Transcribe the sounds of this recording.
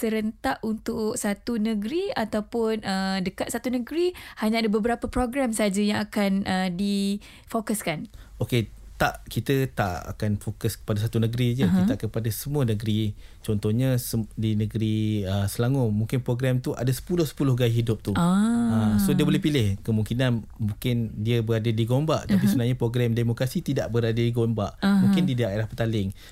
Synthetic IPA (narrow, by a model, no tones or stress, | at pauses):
səɾənt̪aʔunt̪ʊksat̪unə̃ɡɾiat̪awpʊnədəkat̪̚sat̪unə̃ɡɾihaɲaadabəbəɾapəpɾoɡɾɛmsəɦad͡ʒajãŋakanʔədi | fokəskanoke | t̪aʔkit̪ət̪aʔa̰kanfokəskə̥padas̬at̪unəɡɾid͡ʒəit̪aʔkəpadasəmuənəɡɾi | t͡ʃɔnt̪ɔhɲasədinəɡəɾiəsəlaŋomuŋkɪnpɾoɡɾɛmt̪uʔa̰dasə̥pulʊhsə̥pulʊhɡajɦidʊp̚t̪uasodiəbolɛhpilɪhkəmũŋkinanmũŋkɪndiəbəɾadadiɡombaʔt̪apisuənaɦɲapɾoɡɾɛmdemokɾasit̪idaʔbəɾadədiɡombaʔmũkɪndidaeɾahpət̪alɪŋ